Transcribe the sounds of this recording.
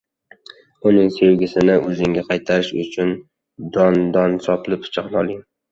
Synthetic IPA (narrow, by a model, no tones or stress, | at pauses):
ʊnɪŋse̞wɡʲɪsɪnɪʔɵzɪŋɡʲaqʰɑjt̪ʰaɾɪʃʊ̰t͡ʃʰʊn | d̪ɒnd̪ɒnsɒpɪlɪpʰʊ̥t͡ʃʰɑqnɒlˠɪŋ